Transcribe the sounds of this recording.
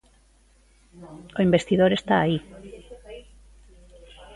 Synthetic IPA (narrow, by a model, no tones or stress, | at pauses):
oimbest̪iðoɾest̪aːi